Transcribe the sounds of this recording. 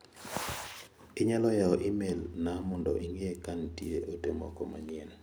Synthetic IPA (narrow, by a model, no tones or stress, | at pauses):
ɪɲalɔjaɔʔimelnamɔndɔ̰ʔiŋekantieʔotemɔ̰kɔma̰ɲɪɛn